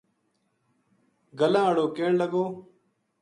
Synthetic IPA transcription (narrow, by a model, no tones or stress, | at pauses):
ɡəlãːəɽoːkeːɳləɡoː